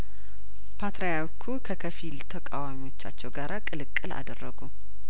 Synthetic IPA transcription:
pʰat̪ɾajaɾkʰukʰəkʰəfilt̪ʰəkʼawamiwo̞t͡ʃːa̰t͡ʃːɛwɡaɾakʼɨlɨkʼːɨla̰d̪ərːəɡu

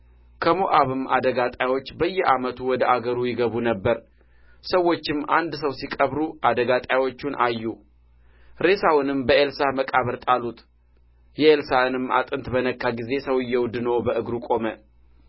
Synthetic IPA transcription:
kʰəmoʔaβɨmːad̪əɡat̪ʼajwo̞t͡ʃːbəjːɛʔamət̪ʰuwɔd̪əʔaɡəɾujɪɡəβunəbːəɾ | səwːo̞t͡ʃːɪmːand̪səwsikʼəβɾuʔad̪əɡat̪ʼawo̞t͡ʃːunʔajːu | ɾe̞sawʊnɨmbəʔelsaməkʼaβəɾt̪ʼalut̪ʰ | jɛelsanɨmːa̰t̪ʼɨnt̪bənəkːaɡize̞səwɨjːɛwd̪ɨno̞bəʔɨɡɾukʼo̞mə

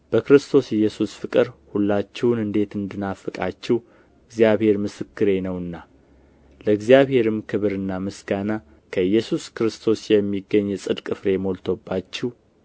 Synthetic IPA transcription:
b̥əkɾɨst̪ʰo̞sɪjːɛsusfɨkʼɨɾhulːat͡ʃːɛwnɨnd̪e̞t̪ɨnd̪ɨnafɨkʼat͡ʃːɛhw | ɨɡzjaβhe̞ɾmɨsɨkːɨɾe̞nəwɨnːa | ləɨɡzijaβhe̞ɾɨmkʰɨβɨɾɨnːamɨsɡana | kʰəjːɛsuskɨɾɨst̪ʰo̞sjɛmːiɡːəɲːɛsʼɨd̪kʼɨfɾe̞mo̞lt̪ʰobːat͡ʃːɪw

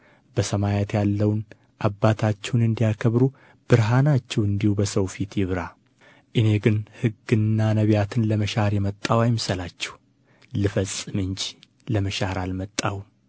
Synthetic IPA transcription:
bəsəmajat̪jalːəwn | ʔabːat̪ʰat͡ʃːɛwnɨnd̪ijakʰəβɾu | b̥ɨɾɦanat͡ʃːɛwɨnd̪ihubəsəwfit̪jɪβɾa | ʔɨne̞ɡɨnhɨɡːɨnːanəβjat̪ʰɨnləməʃaɾjɛmət̪ʼːawajmsəlat͡ʃːɛh | lɨfəsʼːɨmɨɲt͡ʃ | ləməʃaɾalmət̪ʼːawu

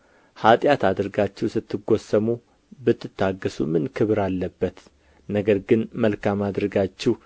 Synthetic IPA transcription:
hat̪ʼjat̪ad̪ɾɡat͡ʃːɛwsɨt̪ʰːɨɡo̞səmu | bɨt̪ʰːɨt̪ʰːaɡːəsumɨnkʰɨβɾalːəbːət̪ | nəɡəɾɡɨnməlkamad̪ɾəɡat͡ʃːɛw

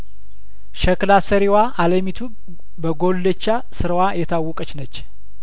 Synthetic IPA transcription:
ʃəklasəɾiwaʔaləmit̪ʰuk | bəɡolːət͡ʃːa | sɨɾəwajɛt̪ʰawːɔkʼət͡ʃnət͡ʃː

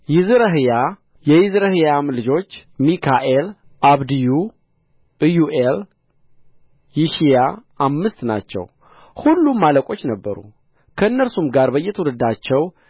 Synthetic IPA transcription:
jɪzɨɾəɦɨja | jɛjɪzɾəhɨjamlɨd͡ʒo̞t͡ʃːmikʰaʔel | ʔaβd̪iju | juʔel | jɪʃijaʔamːɨst̪na̰t͡ʃːɛ̰w | hulːumːaləkʼo̞t͡ʃːnəbːəɾṵ | kʰəɨnːəɾsumɡaɾbəjːɛt̪ʰəwulɨd̪at͡ʃːɛw

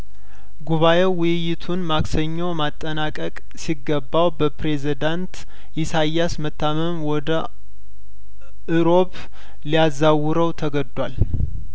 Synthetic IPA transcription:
ɡuβaʔewʊjɪt̪ʰunmaksəɲːowmat̪ʼːənakʼəkʼ | siɡəbːawbəpɾe̞zid̪ant̪ | ʔisajːasmət̪ʰːaməmwɔd̪ə | ʔɨɾo̞p | liazːawʊɾəwt̪ʰəɡəd̪wal

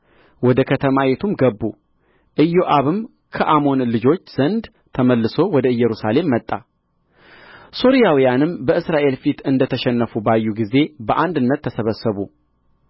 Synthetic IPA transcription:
wɔd̪əkʰət̪ʰəmawet̪ʰumɡəbːu | ʔɨjːoʔaβɨm | kʰəʔamo̞nlɨd͡ʒo̞t͡ʃːz̥ənd̪ | t̪ʰəməlːɨso̞wɔd̪əɨjɛɾusale̞mːət̪ʼːa | so̞ɾijawijanɨmbəɨsɾaʔe̞lfit̪ɨnd̪ət̪ʰəʃɛnːəfubajːuɡize̞bəʔand̪ɨnːət̪ʰːəsəβəsːəβu

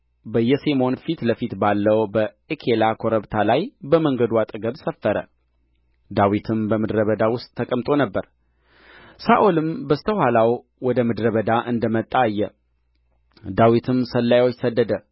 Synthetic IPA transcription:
bəjɛsemo̞nfit̪ləfit̪balːəwbə | ekʰelakʰo̞ɾəβt̪ʰalajbəməŋɡəd̪wat̪ʼɨɡəβsəfːəɾə̰ | d̪awit̪ʰɨmbəmɨd̪ɾəβəd̪awʊst̪ʼʰːəkʼəmt̪ʼo̞nəbːəɾ | saʔolɨmbəst̪ʰəhalaw | wɔd̪əmɨd̪ɾəβəd̪aʔɨnd̪əmət̪ʼːaːjːɛ | d̪awit̪ʰɨmsəlːajwot͡ʃːsəd̪ːəd̪ə

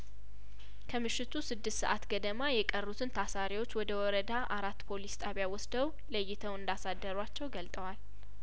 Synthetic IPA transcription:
kʰəmɨʃːɪt̪ʰusɨd̪ːɨst̪sə̰ʔat̪ɡəd̪əmajɛkʼərːut̪ʰɨnt̪ʰasaɾiwo̞t͡ʃːwɔd̪əwɔɾəd̪aʔaɾat̪ːpʰolist̪ʼaβjawɔsd̪əw | ləjːɪt̪ʰəwɨnd̪asad̪ːəɾuat͡ʃːɛwɡəlt̪ʼəwal

